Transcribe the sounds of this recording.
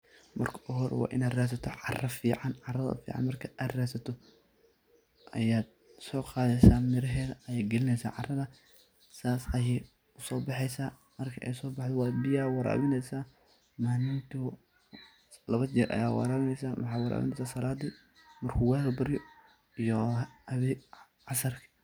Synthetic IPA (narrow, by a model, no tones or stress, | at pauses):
mɐrkʰɐ̥ʔɔɦɔɾ̰wɑ̰ːʔɪnaːd̪raːs̬ɐt̪ʰɔʕɑrɐfiːʕɑnʕɑrɐðɐ̰fḭːʕɑ̰nmɐrkʰɐʔaːd̪raːsɐt̪ʰɔ | ʔɐ̰jaːd̪̚ | sɔːqɑːðɛjsaːmɪɾɐɦɛːðɐɐjaːɡɛlɪnɛjsa̰ːʕɑrɐðɐ | saːsɐjɛ | ʊsɔːbɑħɛjsaː | mɐrkʰɐʔɛ̰jsɔːbɑħd̪ɔwɑːd̪bɪjaːwɑɾa̰βɪnɛjsaː | maːnɪnt̪ʰʊ | lɐβɐt͡ʃɪɾʔɐ̰ja̰ːwɑ̰ɾaːβɪnɛjsaːwʔɑħɑːwɑɾʔa̰βɪ̰nɛjsaːsɐlaːd̪i | mɐrkʰʊwɛːlbɐɾɪjɔ | ijɔɐβɛ | ʕɑsɐrkʰɐ̥